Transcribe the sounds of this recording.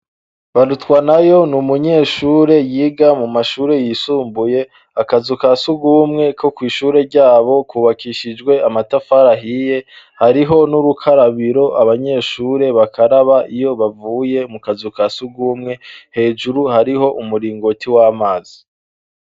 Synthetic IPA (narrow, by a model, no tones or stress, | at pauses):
βaɾutkwanajo̞numuɲe̞ːʃuːɾe̞jiːɡamumaʃuːɾe̞jiːsuːmbuje̞ | akazukasuɡuːmŋe̞kʰo̞kwiːʃuːɾe̞ɾɟaːβo̞kuːβakiʃid͡ʒɡwe̞amatafaɾaɦije̞ | haɾiɦo̞nuɾukʰaɾaβiɾo̞ʔaβaɲe̞ːʃuːɾe̞βakʰaɾaβaʔijo̞βavuːje̞mukazukasuɡumŋe̞he̞ːd͡ʒuɾuhaɾiɦo̞ʔumuɾiːŋɡo̞tiwaːmaːzi